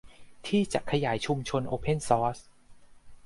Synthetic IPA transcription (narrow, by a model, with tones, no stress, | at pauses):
t̪ʰiː˥˩t͡ɕa̰˨˩kʰa˧jaː˩˦jt͡ɕʰu˧mt͡ɕʰo˧nʔoː˧pʰe˥˩nsɔː˦˥s